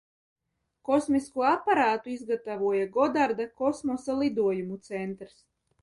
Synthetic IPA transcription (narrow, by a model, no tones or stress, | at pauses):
kɔsmiskuɔapːaɾaːt̪uizɡat̪avuɔjaɡɔd̪aɾd̪akɔsmɔsalˠid̪uɔjumut̪sɛnt̪ɾs